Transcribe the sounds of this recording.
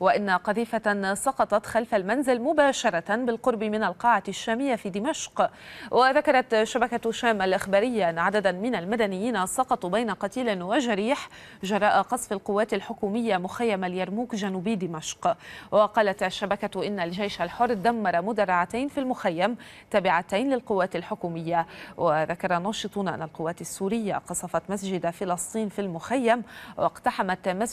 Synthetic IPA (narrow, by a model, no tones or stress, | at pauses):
waʔɪnːaqɑðiːfasˤɑqɑt̪ˤɑt̪xalfalmanzɪlmʊbaːʃɑɾˤɑt̪anbɪlqʊɾˤbɪmɪnalqɑːʕaʃːaːmɪjːafiːd̪ɪmaʃqwʔaðakɑɾˤɑt̪ʃːabakat̪ʃaːmʔalʔɪxbaːɾɪjːaʔanːaʕad̪ad̪amɪnalmad̪anɪjːiːnasˤɑqɑt̪ˤubajnaqɑt̪iːlɪnwaʒaɾiːħ | ʒɑɾˤɑːʔaqɑsˤfalqʊwːaːt̪alħʊkuːmɪjːamʊxajːamaljaɾˤmuːkʒanuːbiːd̪ɪmaʃqwɪqɑːlat̪ʔaʃːabakaʔɪnːalʒajʃalħʊrˤːd̪amːɑɾˤɑmʊd̪ɑrˤːɑʕat̪ajnfilmʊxajːam | t̪aːbɪʕat̪ajnlɪlqʊwːaːt̪alħʊkuːmɪjːawɪðakɑɾˤɑnːɑːʃɨt̪ˤuːnʔa̰nːalqʊwːaːt̪asːuːɾɪjːa̰qɑsˤɑfɑt̪masd͡ʒɪd̪afɪlɑsˤt̪ˤiːnfilmʊxajːamwʔɪqt̪aħamat̪ma